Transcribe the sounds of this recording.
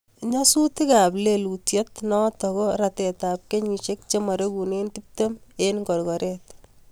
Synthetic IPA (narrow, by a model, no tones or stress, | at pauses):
ɲɔsutɪkaplelutjet̪nɔtɔkɔɾatɛtap̚keɲiʃek̚t͡ʃemaɾeɡunentip̚temenkɔɾkɔɾɛt̪